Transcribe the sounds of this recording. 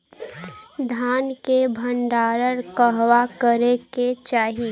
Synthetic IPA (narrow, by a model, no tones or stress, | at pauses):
d̪ʱaːnkebʱəɳɖaːɾəɾkəɦwakəɾeket͡ʃaːɦi